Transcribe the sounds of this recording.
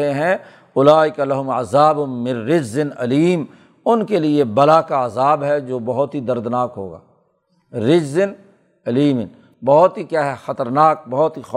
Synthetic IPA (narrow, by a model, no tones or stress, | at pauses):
eɦɛ̃ | ʊlaːɪkalɐɦʊmɐ̰zaːbʊnmɪ̃nɾɪd͡ʒzɪnɐliːm | ʊnkeliebɐlakaəzaːbɦɛd͡ʒoːbɐɦʊt̪ɦid̪ɐɾd̪naːkɦo̰ːɡa̰ː | ɾɪd͡ʒzɪn | ɐliːmɪn | bɐɦʊt̪ɦikjaːɦɛxɐt̪əɾnaːk̚bɐɦʊt̪ɦix